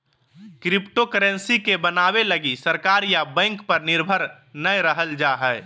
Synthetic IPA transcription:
kɾɪpʈokəɾə̃nsikebənaːweləɡisəɾkaːɾjabɛ̃ːŋkpəɾnɪɾbʱəɾ | nəjɾəɦəld͡ʒaɦɛː

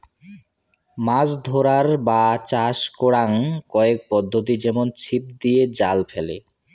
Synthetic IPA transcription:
mad͡ʑd̪ʱoɾaɾbat͡ɕaʃkoɽaŋkɔek̚pɔd̪ʱːot̪id͡ʑɛmont͡ɕʰip̚d̪ijed͡ʑalfʰelḛ

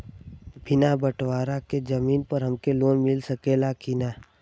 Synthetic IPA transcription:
bʱɪnabəʈwaːɾaked͡ʒəmiːnpəɾɦəmkeloːnmɪlsəkeːlakinaː

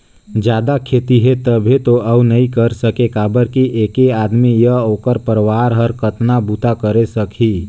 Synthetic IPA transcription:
d͡ʒjaːd̪akʰet̪iɦet̪əbʱet̪oʔəunəĩkəɾsəkekaːbəɾkiʔeːkeaːd̪mijəoːkəɾpəɾʋaːɾɦəɾkət̪nabut̪akəɾesəkʰi

